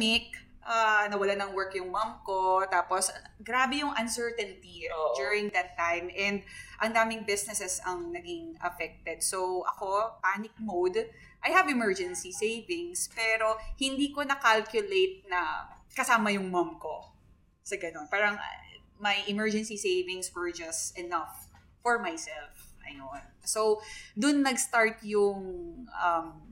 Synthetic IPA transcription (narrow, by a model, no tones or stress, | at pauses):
nɪk̚ | ʔaːnɐwɐlanɐŋwɛɹkjʊŋmɐmkot̪aːposɡɾaːbɛjʊŋʔɐnsɛɹt̪ɛnt̪id̪juɹɪ̃ŋd̪ɐt̪ːãjmʔɛnd̪̚ʔɐŋd̪aːmɪŋbɪsnɛsɛsɐŋnɐɡɪŋʔɐ̰fɛk̚t̪ɛd̪̚sowʔɐ̰ko̞paːnɪk̚mowd̪ | ʔajhɐvɛmɛɹd͡ʒɛnsisejvɪŋspɛːɾo̞hɪnd̪iːkonɐkalkjʊlejt̪̚nɐkɐsaːmɐjʊŋmɐmko̞ | sɐɡɐno̞npaːɾɐŋ̰ | mɐjʔɛmɛɹd͡ʒɛnsisejvɪŋswɛɹd͡ʒɐst̪ʔɛnɐfː | ɔɹmajsɛlfɐ̰jonsowd̪ʊnːɐɡst̪aɹt̪jʊŋʔɐm